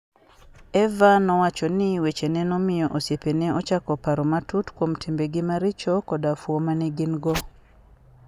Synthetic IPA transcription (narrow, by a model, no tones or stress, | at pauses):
ɛvanɔwat͡ʃɔnɪwet͡ʃenɛnɔmɪjɔʔosjepeneɔt͡ʃakɔpaɾɔmatutkwomtʰimbeɡɪmaɾɪt͡ʃɔkɔdafwomanɛɡinɡɔ